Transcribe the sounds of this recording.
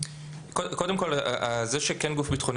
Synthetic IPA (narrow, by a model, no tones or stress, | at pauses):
kokod̪e̞mkolaʔzeʃekɛnɡufbit̪χon